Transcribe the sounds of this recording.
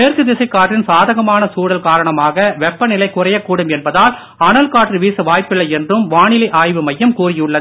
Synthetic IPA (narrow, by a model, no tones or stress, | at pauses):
eːrkɯd̪ɪsɐɪkːaːʈrɪnsaːðɐɣɐmaːnɐsuːɽɐlkaːɾɐɳɐmaːɣɐʋɛpːɐnɪlɐɪkːʊrɐjɐkːuːɽɯmɛnbɐðaːl | ɐnɐlkaːʈrɯʋiːsɯʋaːjpːɪɭːɐɪjɛndrɯmʋaːɳɪlɪʔaːjʋɯmɐjːɐmkuːrɪjɯɭːɐð